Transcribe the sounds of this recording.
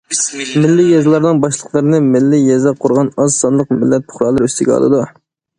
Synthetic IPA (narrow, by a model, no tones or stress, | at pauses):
mɪlːɪjɛzlˠɑɾnɨnbɑʃlˠəqʰlˠɑɾnɨmɪlːɪjɛzɛqʰʊɾʁɑnɑzsɑnlˠəq̚mɪ̰lːɛt̪̚pʰʊ̥χɾɑːlˠəɾøst̪ʰɪɡʲɛɑ̰lˠɨ̰d̪u